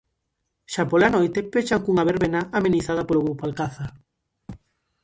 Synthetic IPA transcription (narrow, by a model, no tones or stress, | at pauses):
ʃapolanojt̪epet͡ʃaŋkuŋaβeɾβenaʔameniθað̞apoloɣowpalkaθa